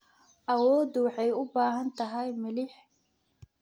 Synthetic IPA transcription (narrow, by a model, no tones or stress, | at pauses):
ʔɐwɔːd̪wɑħɑjʊbaːɦɐnt̪ʰɐɦɛjmɪlɪħ